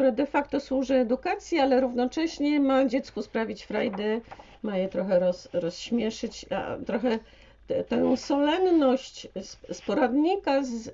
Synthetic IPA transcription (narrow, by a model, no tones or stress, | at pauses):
kt̪uɾad̪ɛfakt̪ɔswuʐɘɛd̪ukat̪sʲjialɛɾuvnɔt͡ʂɛɕɲɛmad͡ʑɛt̪skuspɾavʲit͡ɕfɾajd̪ɛ | majɛt̪ɾɔxɛɾɔsɾɔsɕmʲjɛʂɘt͡ɕt̪ɾɔxɛ | t̪ɛsɔlɛnnɔɕt͡ɕspɔɾad̪ɲikaz